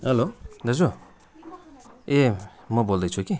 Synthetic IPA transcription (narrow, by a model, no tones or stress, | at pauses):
ɦʌlod̪ʌzo | e | mʌbold̪ʌjt͡sʰuki